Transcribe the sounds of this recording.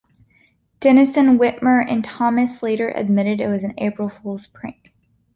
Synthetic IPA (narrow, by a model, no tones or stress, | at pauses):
d̥ɛnɨsɨ̃nwɪʔ̚mə˞ʔɨ̰̃ntʰɑmɨsleɪɾə˞ʔɨ̰d̚mɪɾɨɾɨt̚wʌzɨ̃n̩ḛɪpɹl̩ˠfulˠz̥pʰɹ̥ɪ̰̃ŋk